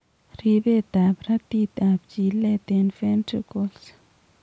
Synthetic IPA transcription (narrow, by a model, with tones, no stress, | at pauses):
ɾi˧be˦˨t̪a˨bɾa˦t̪i˦˧t̪a˨b̚t͡ʃi˨le˦t̪e˧nfe˦nʈ͡ʂi˦ko˧ls